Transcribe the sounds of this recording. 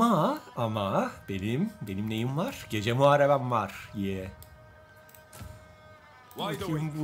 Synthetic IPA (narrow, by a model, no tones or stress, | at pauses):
aamab̥enimbenimnejimvaɾ̥ɟ̥ed͡ʒɛmuaɾabamvaɾ̥jɛ